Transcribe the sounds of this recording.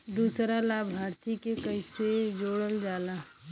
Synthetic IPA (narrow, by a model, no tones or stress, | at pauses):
d̪usɾalabʱɦaːɾt̪ʰikekəɪsed͡ʒoːɽəld͡ʒaːla